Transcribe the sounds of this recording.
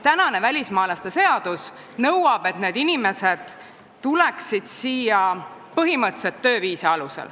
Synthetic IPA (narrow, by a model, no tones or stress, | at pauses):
t̪ænɑne̞vælʲismɑːlɑst̪e̞se̞ɑd̪̥us | nɤwɑb̥e̞t̪neːd̪inime̞se̞d̪̥ | t̪ːulɛksid̪̥siːjɑ | pɤɦimɤt̪ːset̪ːø̞ːviːseɑlusḛl